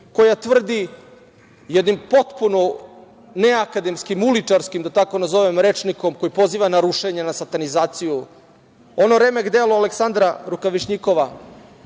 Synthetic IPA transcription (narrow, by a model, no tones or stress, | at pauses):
ko̞jat̪ʋr̩d̪i | jed̪nimpo̞t̪puno | neakad̪emskimulit͡ʃaɾskimd̪at̪ako̞nazo̞ʋemɾet͡ʃniko̞mko̞jipo̞ziːʋanaɾuʃeɲenasat̪anizaːt̪siju | o̞no̞ɾe̞ːmeɡd̪eloaleksand̪ɾaɾukaʋiʃɲikoʋa